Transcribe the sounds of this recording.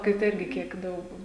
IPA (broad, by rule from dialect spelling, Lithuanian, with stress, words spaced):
kɐɪ ˈtɐɪ ˈɪrʲɡʲɪ ˈkʲiɛk ˈdɐʊk